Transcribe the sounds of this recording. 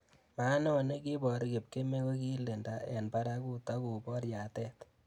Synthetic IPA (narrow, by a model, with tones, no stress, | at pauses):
ma˦nɛ˦o˨ne˦ki˦bɔ˨ɾke˨p̚ke˦me˦ko˦ki˦le˨nda˨ɛ˨npa˦ɾa˦ku˦tɔ˦ku˨bɔ˦ɾja˨tɛ˦t